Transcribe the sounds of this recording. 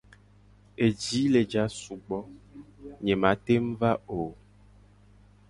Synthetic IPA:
e˨d͡ʒi˨˦le˨d͡ʒa˨˦su˨ɡ͡bɔ˦ | ɲẽ˨mã˨˦t̪e˦m̩˦va˦o˨

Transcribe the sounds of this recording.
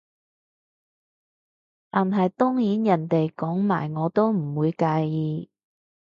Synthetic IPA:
t̪aː˨nɦɐ˨jt̪ʊ˥ŋjiː˨˥njɐ˨˩nt̪e˨jkɔː˨˥ŋma̰ː˨˩jŋɔː˨˧t̪o˥wm̩˨˩wuː˨˧jkaː˨˧jjiː˨˧

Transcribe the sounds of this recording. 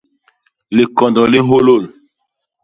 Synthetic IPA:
le˨kɔ˨ndɔ˨le˦ɦo˦lo˦˨l

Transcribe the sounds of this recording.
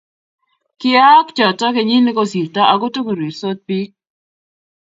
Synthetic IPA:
kɪ˦a˦kt͡ʃɔ˨tɔ˦ke˨ɲi˦ni˦ko˦si˨ɾtɔ˦ʔa˨ɡo˦to˦ku˨ɾwi˨ɾso˦t̪̚pi˦k̚

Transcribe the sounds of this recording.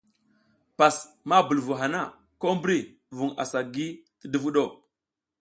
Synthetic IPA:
pa˨s | ma˦bu˨lvu˨ɦa˨na˦˨ | ko˦mbɾi˦ | vu˨ŋa̰˨sa˨ɡi˦tə˦də˦vu˦ɗo˦˨

